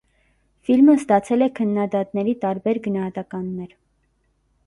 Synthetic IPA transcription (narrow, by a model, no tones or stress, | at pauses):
filməst̪ɑt͡sʰɛlɛkʰənːɑd̪ɑt̪nɛɾit̪ɑɾbɛɾɡənɑhɑt̪ɑkɑnːɛɾ